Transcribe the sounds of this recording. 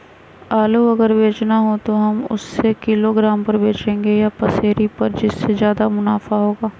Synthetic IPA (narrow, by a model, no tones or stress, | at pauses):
aːluɐɡəɾbeːt͡ʃnaɦot̪oɦɐmʊ̰sːekɪloɡɾaːmpɐɾbeːt͡ʃẽːŋɡejapɐseːɾipɐɾd͡ʒɪsːezjaːd̪amʊnaːfaɦoːɡaː